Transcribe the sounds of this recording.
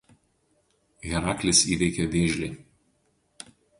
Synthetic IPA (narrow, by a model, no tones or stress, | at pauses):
ɣʲɛɾɑːklʲɪsiːʋʲɛɪkʲɛʋʲeːʒʲlʲeː